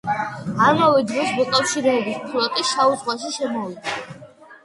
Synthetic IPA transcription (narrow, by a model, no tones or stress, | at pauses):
aɾmɔvɛd̪ɾɔsmɔkʼafʃiɾɛːbispʰulɔt̪ʼiʃauwaʃ̬iʃɛmɔlit̪ʰa